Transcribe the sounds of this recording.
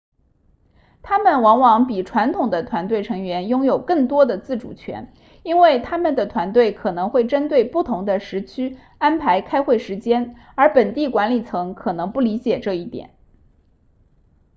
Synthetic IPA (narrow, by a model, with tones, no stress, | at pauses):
t̪ʰa˥mə˨nwɑ˧˥ŋwɑ˧˥ŋpi˨˩ʈ͡ʂʰwa˧˥nt̪ʰʊ˨˩ŋd̪ə˦t̪ʰwa˧˥nt̪we˥˩ɪʈ͡ʂʰɤ˧˥ŋɥɛ˧˥njʊ˥ŋjo˨˩ʊkɤ˥˩ŋt̪wɔ˥d̪ə˨t͡sɹ̩˥˩ʈ͡ʂṵ˨˩t͡ɕʰɥɛ̰˧˥n | i˥nwe˥˩ɪt̪ʰa˥mə˨nd̪ə˩t̪ʰwa˧˥nt̪we˥˩ɪkʰɤ˨˩nɤ˧˥ŋxwe˥˩ɪʈ͡ʂə˥nt̪we˥˧ɪpu˥˩t̪ʰʊ˧˥ŋd̪ə˧ʂɻ̩˧˥t͡ɕʰy˥ | a˥npʰa˧˥ɪkʰa˥ɪxwe˥˩ɪʂɻ̩˧˥t͡ɕjɛ˥n | ə˞˧˥pə˨˩nt̪i˥˩kwa˧˥nli˨˩t͡sʰɤ˧˥ŋkʰɤ˨˩nɤ˧˥ŋpu˥˩li˧˥t͡ɕjɛ˨˩ʈ͡ʂɤ˥˧i˥˩t̪jɛ̰˨˩˦n